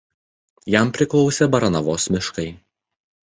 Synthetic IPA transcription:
jæmpʲɾʲɪklˠɒʊsʲebɐɾɐnɐʋoːsmʲɪʃkɐɪ

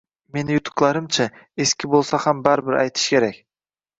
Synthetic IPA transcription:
me̞nɪjʊt̪ʰʊ̥qlˠɑɾɪmt͡ʃʰa | e̞skʲʰɪbolˠsahambaɾbɪɾʔa̰jt̪ʰɪ̥ʃkʲʰe̞ɾakʲ

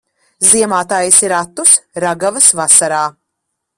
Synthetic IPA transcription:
ziɛmaːt̪aːjisiɾat̪ːusɾaɡavɐsvasaɾaː

